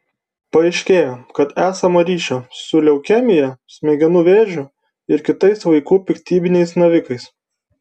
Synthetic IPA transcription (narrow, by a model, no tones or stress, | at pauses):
pɐɛɪʃʲkʲeːjoːkɐt̪æːsɐmɐɾʲiːʃʲosʊlʲɛʊkʲɛmʲɪjɛsʲmʲeːɡʲɛnʊʋʲeːʒʲʊ | ɪɾkʲɪt̪ɐɪsʋɐɪkuːpʲɪkʲt̪ʲiːbʲɪnʲɛɪsnɐʋʲɪkɐɪs